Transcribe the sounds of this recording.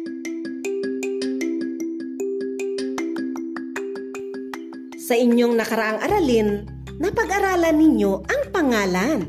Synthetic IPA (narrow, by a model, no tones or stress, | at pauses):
sɐʔɪɲjoŋnɐkɐɾɐʔaŋʔɐɾalinː | ɐpɐɡʔɐɾaːlɐnɪɲjo̞ʔɐŋpɐŋaːlan